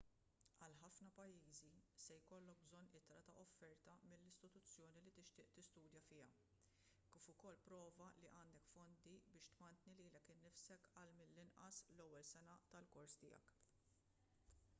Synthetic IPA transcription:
ɐlħɐfnɐpɐjːiːzisɛjkɔlːɔk̚bzɔnːɪt̪ɾɐt̪ɐʔɔfːɛɾt̪ɐmɪlːɪst̪ɪt̪ʊt͡sːjɔːnilit̪ɪʃt̪ɪːʔt̪ɪst̪uːd̪jɐfɪːɐ | kːɪːfʊkɔlːpɾɔːvɐliʔɐːnd̪ɛkfɔnd̪ibɪːʃt̪mɐnt̪niliːlɛkɪːnːɪfsɛkɐlmɪlːɪnʔɐ̰slɔwːɛlsɛnɐt̪ɐlkɔɾst̪ɪ̰jɐ̰k

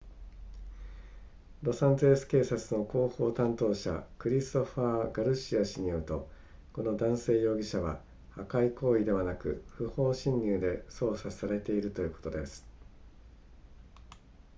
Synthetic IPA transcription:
ɾo̞sãnt̪oesɨ̥ke̞ːsat͡sɨno̞ko̞ːho̞ːt̪ãnt̪o̞ːɕa̰kɯ̟ɾʲist̪o̞ɸaːɡaɾɯ̟ɕiaɕiɲ̟ioɯ̟t̪o̞ | ko̞no̞d̪ãɰ̃se̞ːjo̞ːɡʲiɕaβa̰ | hakaiko̞ːid̪e̞βanakɯ̟̰ɸɯ̟ho̞ːɕĩɲːʲɨːd̪e̞so̞ːsasaɾe̞t̪e̞iɾɯ̟t̪o̞jɯ̟ːko̞̥t̪o̞d̪e̞sɨ̥

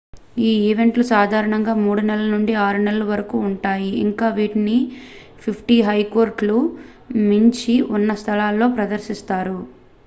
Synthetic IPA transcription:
iːiʋe̞ɳʈlusaːd̪ʱaːɾɐɳɐŋɡaːmuːɽunɛlɐnuɳɖiaːɾunɛlɐlɐʋɐɾɐkuːɳʈaːjiḭŋkaːʋiːʈni | pʰipʰʈiːɦɐjko̞ːɾʈlu | miɲt͡ʃiunːɐst̪ʰɐlaːlːo̞ːpɾɐd̪ɐɾʃist̪aːɾu

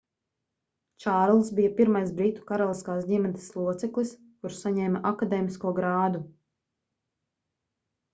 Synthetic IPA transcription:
t͡ʃaːɾlˠsbijapiɾmajs̬bɾit̪u̥kaɾɔlˠiskaːsd̪ʲimʲɛni̥slˠuɔt̪sɛklˠis | kuɾsaɲɛːmʔakad̪ɛːmiskuɔɡɾaːd̪u

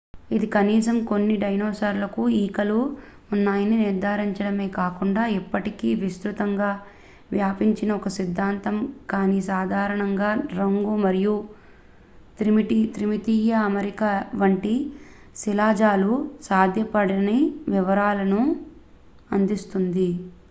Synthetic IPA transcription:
id̪ikɐniːsɐmko̞nːiɖɐjnoːsaɾlɐkuiːkɐlu | unːaːjɐniniɾd̪ʱaːɾiɲt͡ʃɐɽɐmeːkaːkuɳɖaːipːɐʈikiːʋist̪ɾut̪ɐŋɡaː | ʋjaːpiɲt͡ʃinɐɔkɐsid̪ʱːaːnt̪ɐmkaːniːsaːd̪ʱaːɾɐɳɐŋɡaːɾɐŋɡumɐɾiju | t̪ɾimʈit̪ɾimit̪iːjɐːmɐɾikaʋɐɳʈi | silaːd͡ʒaːlusaːd̪ʱjɐpɐɽɐnɐjʋiʋɐɾaːlɐnu | ɐnd̪ist̪und̪i

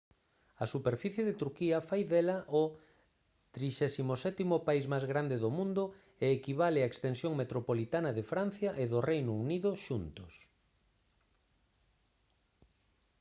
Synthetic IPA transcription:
ɐsupeɾfiθjeðɪt̪uɾkiɐfajðɛlɐʔʊ | t̪ɾiʃɛsimosɛt̪imʊpaizmajzɣɾand̪eðʊmũnd̪ʊ | eːkiβalɪɐekst̪ensjoŋmet̪ɾopolit̪anɐðefɾan̟θjɐʔeðʊrejnʊuniðʊʃunt̪ʊs

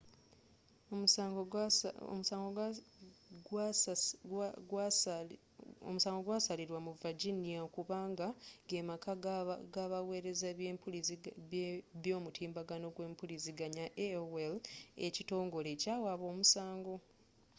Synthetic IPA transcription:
oɡ̰ | musaːŋɡo | ɡ | ɡ | o̰musaːŋɡo̞ɡwaːsaliɾwamuvad͡ʒinijaokuβaːŋɡaɡemakaɡaβawe̞ːɾe̞zaβeːmpulz | βjo̞ːmutʰiːmbaɡano̞ɡwe̞ːmpuliziɡaɲaʔewelḛcito̞ːŋɡo̞le̞caːwaβo̞ːmusaːŋɡo̞

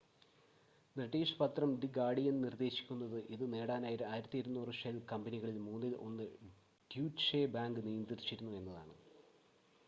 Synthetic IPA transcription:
nrɐʈːiːʂpɐt̪rɐmɖiɡaːɽijɐnnird̪e̞ːɕi̥kʲːunːɐðɨʔiðɨne̞ːɽaːnaːjiɾɨaːjiɾɐt̪ːijɐɾunːuːrɨʂɐlkɐmbɐniɣɐɭilmuːnːilʔo̞̰nːɨ | ɖjuːt͡ɕebaːŋɡɨnijɐnd̪irit͡ɕːiɾunːue̞nːɐðaːɳɨ

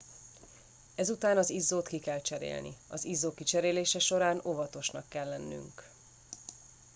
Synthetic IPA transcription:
ɛzut̪aːnɒzizːoːt̪kikɛlt͡ʃɛɾḛːlnḭɒzizːoːkit͡ʃɛɾeːleːʃɛʃo̞ɾaːno̞vɒt̪o̞ʃnɒkːɛlːɛnːy̰ŋk

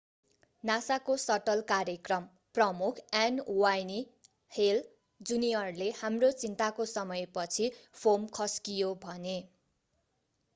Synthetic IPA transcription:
nasakosʌʈʌlkaɾjʌkrʌm | prʌmukʰanwajni | hel | d͡zunijʌrlehamrot͡sint̪akosʌmʌjpʌt͡sʰipʰomkʰʌskijobʱʌne

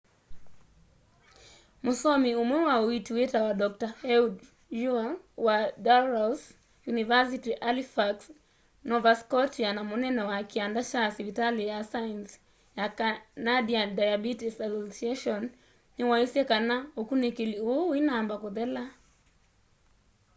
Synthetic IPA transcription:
musɔmiumwɛwawituwɛtawaɗɔk̚tahɛud | ʒua | wadaɾas | junivas̬itiʔalifaks | nɔvaskɔtianamunɛnɔwakiandaʃasivitalijasaans | jakanadiadajabitisasɔsiaʃɔnː | iwaisiakanaukunikiliuinambakɔðɛla

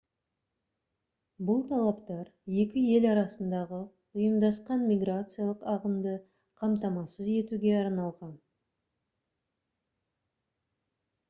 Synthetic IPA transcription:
bʊlˠt̪ʰɑlˠɑpt̪ɑɾje̞kʲɪe̞lɑɾɑsənd̪ɑʁə | ʊjəmd̪ɑsqɑnmʲiɡɾat̪sɨjaɑlˠəqɑʁəmd̪ə | qʰɑmt̪ɑmɑsəze̞t̪uɡʲe̞ɑɾnɑlˠʁɑn

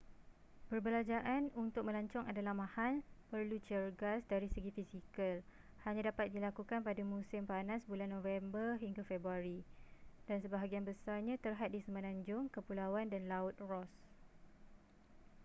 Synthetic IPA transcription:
bərbəlad͡ʒaʔanunt̪ʊk̚mə̃laɲt͡ʃɔŋadalahmãhalpərlut͡ʃərɡasdaɾisəɡifisikəl | haɲãdapat̪̚dilakukanpadamũsɪmpanãsbulanːõvɛmbərɦiŋɡafɛbɾuaɾidansəbaɦaɡianbəsarɲãt̪ərɦat̪̚disəmənãɲd͡ʒʊŋkəpulawandanlaʊt̪̚rɔs

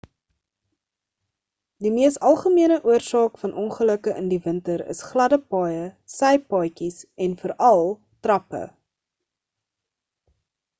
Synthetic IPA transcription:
dimiəstɐlˠχəmiənəʔuərsɑːkfɐnʔɔnχələkəʔə̰ndivəntəɾə̰sχlɐdəpɑːjəsɛjpɑːjkisɛnfəɾɐlˠ | trɐpə̰

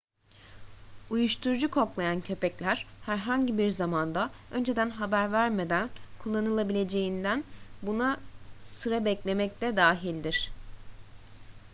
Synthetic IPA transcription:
ujuʃt̪ʰuɾud͡ʒukʰo̞klˠajancʰø̞pɛclʲæɾ̥hæɾɦaɲɟibiɾzamand̪aø̞nd͡ʒe̞d̪ænɦabæɾvæɾme̞d̪ænkʰulˠːanɯlˠabilʲe̞d͡ʒe̞jind̪ænbunasɯɾabɛclʲe̞mɛc̚t̪ʰɛd̪aːɦilʲd̪iɾ̥

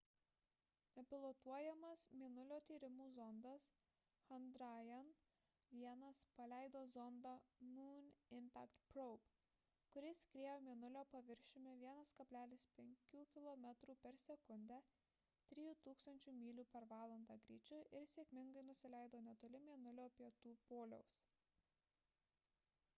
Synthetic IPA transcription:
ɛpʲɪlˠot̪uɔjɛmɐsmʲiɛnʊlʲoːt̪ʲiːɾʲɪmuːzɔnd̪ɐs | xɐnd̪ɾɑːjɛn | ʋʲiɛnɐspɐlʲæɪd̪oːzɔnd̪ɑmuːnʲɪmʲpʲæ̰kt̪pɾɔp | kʊɾʲɪsʲkɾʲiɛjoːmʲiɛnʊlʲoːpɐʋʲɪɾʲʃʲɪmʲeʋʲiɛnɐskɐpʲlʲæːlʲɪspʲɛŋʲkʲuːkʲɪlˠɔmʲɛt̪ɾuːpʲɛɾsʲɛkʊnʲd̪ʲæ | t̪ʲɾʲɪːjuːt̪uːkst̪ɐnʲt͡ʃʲuːmʲiːlʲuːpʲɛɾʋɑːlˠɐnd̪ɑːɡɾʲḭːt͡ʃʲʊʔɪɾsʲeɛkʲmʲɪŋɡɐɪnʊsʲɪlʲɛɪd̪oːnʲɛt̪oːlʲɪmʲiɛnʊlʲoːpʲiɛt̪uːpoːlʲɛ̰ʊs

